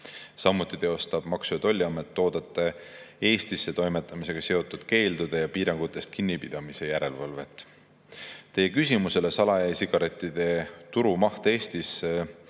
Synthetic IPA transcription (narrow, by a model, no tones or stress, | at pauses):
sɑmːut̪ːˑit̪e̞o̞st̪ɑb̥mɑksujɑt̪o̞lʲːiɑmet̪ːo̞ːd̪̥ɑt̪ːˑe | e̞ːst̪isːe̞t̪o̞jme̞t̪ːˑɑmise̞ɡ̥ɑse̞o̞t̪ːˑud̪̥ke̞ːld̪̥ud̪̥e̞jɑpiːɾɑŋɡ̥ut̪ːˑe̞st̪̚kinːipid̪̥ɑmise̞jæɾe̞lvɑlve̞t̪ːˑ | t̪e̞je̞kysʲimuse̞le̞sɑlɑjæjsiɡ̥ɑɾe̞t̪ːˑid̪̥e̞t̪uɾumɑht̪ee̞ːst̪is